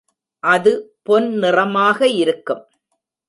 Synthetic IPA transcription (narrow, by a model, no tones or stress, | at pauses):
ʔɐðɯpɔnnɪrɐmaːɣɐɪɾɯkːɯm